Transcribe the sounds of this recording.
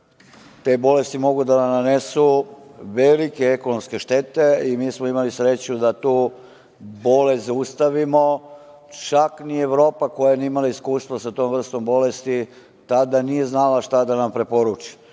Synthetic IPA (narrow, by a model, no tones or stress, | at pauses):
t̪e̞bo̞le̞st̪imo̞ɡud̪ananesuʋelike̞ekonomske̞ʃt̪e̞t̪e̞imiːsmoimalisɾe̞t͡ɕud̪at̪uː | bo̞lezust̪aʋimo̞ | t͡ʃaknieʋɾo̞ːpako̞janiimalaiskuːst̪ʋosat̪o̞ːmʋr̩st̪o̞mbo̞le̞st̪i | t̪ad̪anije̞znalaʃt̪ad̪anampɾe̞po̞ɾut͡ʃi̥